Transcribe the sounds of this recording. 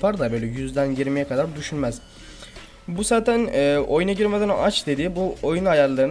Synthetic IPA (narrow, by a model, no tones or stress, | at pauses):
pʰaɾd̪abø̞jlʲɛjyzd̪ænjiɾmijɛkʰad̪aɾd̪yʃynmæz̥ | buzaːt̪ʰænɛːo̞junaɟiɾmed̪ænoʔat͡ʃd̪e̞d̪iːbuojunajaɾlˠaɾɯn